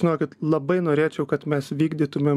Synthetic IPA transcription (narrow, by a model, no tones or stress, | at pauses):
ɪnoːkʲɪt̪lˠɐbɐɪnoːɾʲeːt͡ʃʲɛʊkɐt̪mʲɛsʋʲiːɡd̪ʲiːt̪ʊmʲeːm